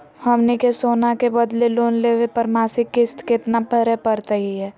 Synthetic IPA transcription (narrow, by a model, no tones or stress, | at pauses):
hɐmnekesoːnakebɐd̪leloːnleːʋepɐɾmaːsɪkːɪst̪kɪt̪napəɾɛpəɾt̪əɦiɦɛː